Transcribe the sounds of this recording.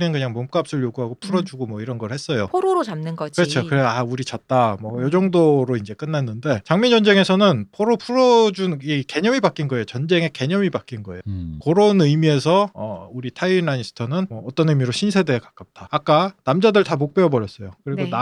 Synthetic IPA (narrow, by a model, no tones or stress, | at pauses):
nenkɯɲaŋmomk͈ap̚s͈ɯɭjoɡuɦaɡopʰuɾʌd͡ʑuɡomwʌiɾʌnɡʌɭhe̞s͈ʌjopʰoɾoɾot͡ɕamnɯnɡʌkɯɾʌt͡ɕʰokɯɾeauɾit͡ɕʌt̚t͈amwʌjʌd͡ʑʌŋdoɾoind͡ʑek͈ɯnːanːɯnde̞t͡ɕaŋmind͡ʑʌnd͡ʑe̞ŋe̞sʰʌnɯnpʰoɾopʰuɾʌd͡ʑunike̞ɲʌmibak͈inɡʌejot͡ɕʌnd͡ʑe̞ŋe̞ke̞ɲʌmibak͈inɡʌe̞jokoɾonɯjmie̞sʰʌʌuɾitʰainainsʰɯ̥tʰʌnɯnmʌːt͈ʌnɯmiɾoɕʰinsʰe̞deːkak͈ap̚t͈aːk͈anamd͡ʑadɯɭtamok̚p͈eʌbʌɾjʌs͈ʌjokɯɾiɡona